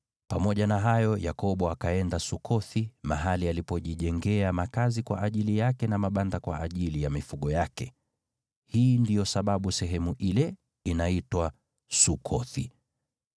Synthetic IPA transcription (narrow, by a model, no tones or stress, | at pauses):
pamɔʄanaɦajɔjakɔɓɔakaɛndasukʰɔθimaɦalialipɔʄiʄɛŋɡɛamakazikwa̰ʔaʄilijakɛnamaɓandakwa̰ʔaʄilijamifuɠɔjakɛ | hiːndijɔsaɓaɓusɛɦɛmuʔilɛ | inaitwa | sukʰɔθi